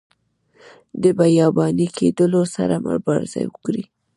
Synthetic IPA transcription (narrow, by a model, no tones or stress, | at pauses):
d̪əbajɑbɑnikʰed̪əlosa̰ɾamə̰ɾbɑɾzɑ̰jwəkɾi